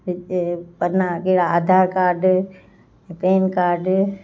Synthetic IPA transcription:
ɪpɐnakeɦɽaaːd̪ʱaːɾkaːɾɖ̃ | peːnkaːɾɖ

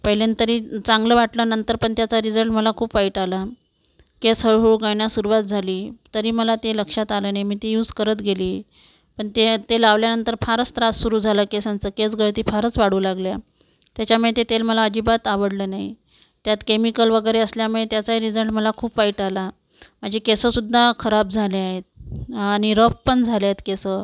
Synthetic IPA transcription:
pəɦlent̪əɾiːt͡sãŋɡləʋaʈlənənt̪əɾpəɳt̪jat͡saɾid͡zəɭʈməlakʰuːpʋaiʈala | kesɦəɭɦuɡəɳjasuɾuʋat̪̚d͡zʱaliːt̪əɾiːməlat̪eləkʂat̪alənaɦimiːt̪ejuːd͡zkəɾət̪ɡeliː | pəɳt̪et̪elaʋljanənt̪əɾfaɾəst̪ɾassuɾuːd͡zʱaləkesant͡səket͡sɡəɭt̪iːfaɾət͡sʋaɽuːlaɡlja | t̪jat͡ɕjamiɭet̪et̪elməlaəd͡ʑiːbat̪aʋəɽləːnaɦi | t̪jat̪kemikəlʋəɡəjɾeəsljamiɭet̪jat͡saiɾid͡zəɳʈməlakʰuːpʋaiʈala | m̤əɳd͡ʑekesəsud̪ʱːakʰəɾab̚d͡zʱaleaɦet̪̚aɽ̃iɾəfpəɳd͡zʱaljat̪kesə

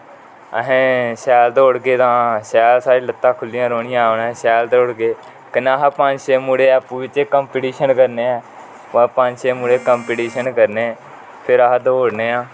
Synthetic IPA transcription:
əɦẽːʃɛːld̪oːʊɽɡeːt̪ãːʃɛːlsaːɾiːlət̪ːãːkʰʊlːijãːɾoːɳɪjãɳɛːʃɛːld̪ʊɽɡeː | kənaːɦpəɲd͡ʒʃeːmuːɽeːɛpũːʋɪt͡ʃeːkəmpiʈiːʃənkəɾneːɛː | pəpə̃ɲd͡ʒʃeːmuːɽeːkəmpiʈiːʃənkəɾneː | pʰɪɾəɦd̪oːɽneːãː

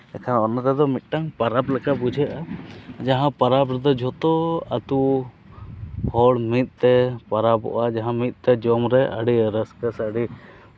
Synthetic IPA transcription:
ɛkʰanɔnːat̪ɛd̪ɔmit̪̚ˀʈaŋpaɾaplɛkabud͡ʒʱɛʔad͡ʒaɦãpaɾabɾɛd̪ɔd͡ʒʱɔt̪ɔat̪u | hɔɽmit̪̚ˀt̪ɛpaɾabɔ̰ʔad͡ʒaɦãmit̪̚ˀt̪ɛd͡ʒɔmɾɛʔa̰ɽiɾəskəsaɖi

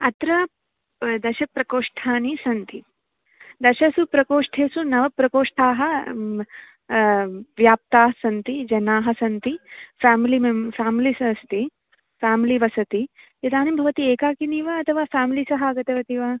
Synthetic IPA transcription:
ɐt̪ɾɐ | d̪ɐʃɐk̚pɾɐkoːʂʈʰaːnisɐnt̪i | d̪ɐʃɐsupɾɐkoːʂʈʰeːsunɐʋɐpɾɐkoːʂʈʰaːɦɐ̆ | ʋjaːp̚t̪aːɦɐsɐnt̪id͡ʒɐnaːɦɐ̆sɐnt̪ifaːmilimɐfaːmilisɐst̪i | faːmiliʋɐsɐt̪ijɐd̪aːnimbʱɐʋɐt̪ieːkaːkiniːʋɐɐt̪ʰɐʋaːfaːmiliːsɐɦɐɐɡɐt̪ɐʋɐt̪iʋɐ

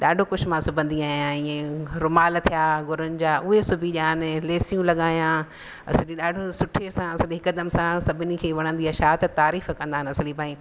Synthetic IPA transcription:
ɗaːɖʱokʊʃʰmãsʊbʱə̃nd̪iaːɦijãĩːẽɾʊmaːlt̪ʰijaːɡʊɾʊnɪ̆d͡ʑaːʔʊɦesʊbʱiʄaːnɪ̆leːsijũlɐɠaːjã | ɐ̰sɪlĩɗaːɖʱosʊʈʰesãɐsɪliɦɪkəd̪əmsãsɐbʱɪnɪ̆kʰeːʋɐɽ̃ə̃nd̪iɐʃaːt̪t̪aːɾiːfkɐ̃nd̪aɦɪnɐsɪlipaːĩ

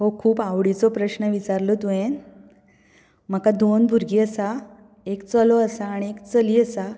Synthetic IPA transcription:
ɦokʰuːpawɽit͡sopɾəɕnəʋit͡saɾlot̪uen | m̤əkad̪onbʱuɾɡiəsa | ekt͡səloəsaːɽ̃iekt͡səliəsa

